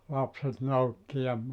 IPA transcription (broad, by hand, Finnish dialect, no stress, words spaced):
lɑpset noukːi jɑ